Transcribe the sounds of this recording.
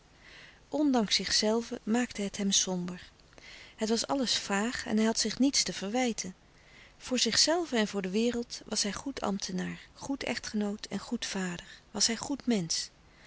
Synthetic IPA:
ʔɔndɑŋsɪχsɛlˠvəmaːktəɦətɦɛmsɔmbəɹ | ɦətʋɑsɑ̰ləsfaːχɛ̰nɦɛjɦɑtsɪχnitstəv̥əɹʋɛjtʰən | v̥ʊːɹzɪχsɛlˠvəɛnvʊːɹdəʋɪːrəlˠtʋɑsɦɛjχutʰɑ̰mtʰənaːɹχutɛ̰χtχənowtʰɛ̰nχutfaːdəɹʋɑsɦɛjχutmɛns

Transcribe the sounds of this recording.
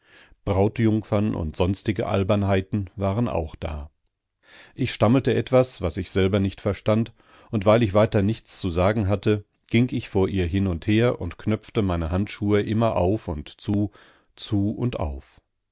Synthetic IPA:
b̥ʁaʊtjʊŋfɐnʔʊ̰ntz̥ɔnstɪɡəʔa̰lbɐnhaɪtn̩vaːʁənʔa̰ʊxd̥a̰ː | ʔɪçʃtaməl̩təʔɛtv̥asv̥asɪçz̥ɛlbɐnɪçtfɛɐʃtant | ʊntv̥aɪlɪçv̥aɪtɐnɪçt͡st͡suzaːɡŋ̩ɦatə | ɡ̥ɪŋkɪçfoːɐʔiːɐɦɪnʊntheːɐʔʊ̰ntkʰnœp͡ftəmaɪnəɦantʃuːəʔɪmɐʔa̰ʊfʊntt͡suː | t͡suːʊntʔa̰ʊf

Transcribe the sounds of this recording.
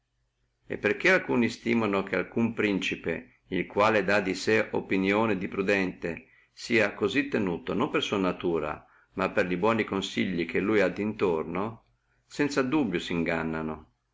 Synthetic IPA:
ḛpːerk̟ealkuːnist̪iːmanok̟ealkumpɾint͡ʃipḛ | ilkwaːled̪ad̪iseʔo̰pinjoːned̪ipɾud̪ɛnt̪e | siːakozit̪ːenuːt̪onompersuanat̪uːɾa̰ | mapːerlibwɔːnikonsiʎːik̟elːujad̪ːint̪orno | sɛnt̪sad̪ubːjosiiŋɡanːano

